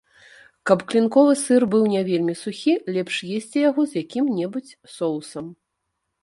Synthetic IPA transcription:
kɐpklʲinkɔvɨsɨrbɨwnʲɛvʲelʲmʲisuxʲilʲɛpʂjesʲt͡sʲijaɣɔzjakʲimnʲɛbut͡sʲsɔw̪ˠsɐm

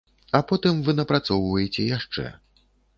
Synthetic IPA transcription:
ɐpɔt̪ɨmvɨnɐpɾat̪sɔwvɐjɛt͡sʲɛjaʂt͡ʂɛ̰

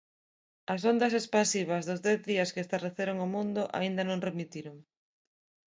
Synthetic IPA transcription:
ɐs̬ond̪ɐsespasiβ̞ɐzðʊzðɛθðiɐskeest̪areθeɾoŋʊmũnd̪ʊʔa̰ind̪ɐnõŋremit̪iɾʊŋ

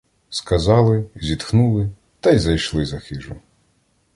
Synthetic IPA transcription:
skɐzɑlˠɪzʲit̪xnulˠɪ | t̪ɐjzɐjʃlˠɪzɐxɪʒʊ

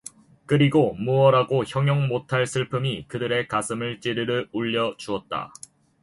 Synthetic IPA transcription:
kɯɾiɡomuʌɾaɡoçjʌŋjʌŋmotʰaɭsʰɯɭpʰɯmikɯdɯɾe̞kasʰɯmɯɭt͡ɕ͈eɾɯɾɯɭuʎːʌt͡ɕuʌt̚t͈a̰

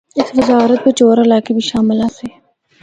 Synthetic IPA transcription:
eːkʋɪzaːɾət̪̚pet͡ʃoːɾɐlaːkebʱiʃaːmɪlase

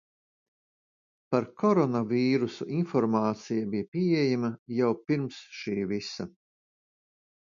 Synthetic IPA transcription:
paɾkʰɔɾɔnaviːɾusuʔinfɔɾmaːt̪sijabijapʲiɛjamɐjawpiɾmsʃiːvisa

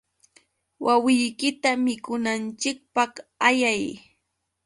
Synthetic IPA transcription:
wʔawɪjkɪt̪amɪkʊnant͡ʃɪk̚pɑχajaj

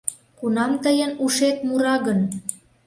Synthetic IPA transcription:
kunɑmt̪əjənuʃet̪̚muɾɑɣən

